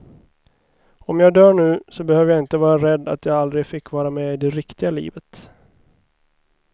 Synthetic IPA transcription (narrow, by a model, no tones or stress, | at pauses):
ɔmjɑːɡd̪œːɳʉ̟ːsɔbɛhøːvəjaɪnt̪əvɑːɾaɾɛd̪ːa̰t̪jɑːɡald̪ɾɪɡfɪkːvɑːɾamɛːɪd̪ɛɾɪkt̪ɪɡalḭːvət̪